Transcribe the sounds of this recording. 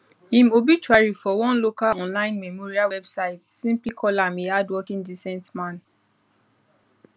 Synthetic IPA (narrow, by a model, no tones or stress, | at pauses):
ĩmobit͡ʃɹaɹifɔwɔ̃nlokaɔ̃nlãɪ̃nmɛmoɹiawɛbsaɪtsĩmplikʰɔlamiadwɔkĩndisɛ̃ntmãn